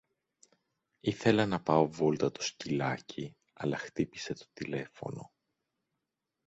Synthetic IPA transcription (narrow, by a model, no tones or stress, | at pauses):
iθe̞lɐnɐpɐo̞volt̪ɐt̪o̥scilɐci | ɐ̰lɐxt̪ipi̥se̞t̪o̞t̪ile̞fo̞̰no̞